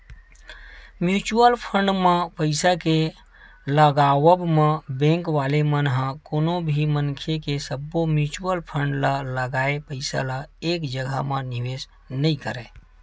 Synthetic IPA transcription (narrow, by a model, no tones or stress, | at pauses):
mjut͡ʃuəlpʰəɳɖmẽpəɪsake | ləɡawəbmẽbɛ̃ŋkʋalemənɦə̃konobʱimənkʰekesəbːomjut͡ʃuəlpʰəɳɖlələɡaepəɪsa̰laeːkd͡ʒəɡʱə̰məniwes | nəikəɾɛ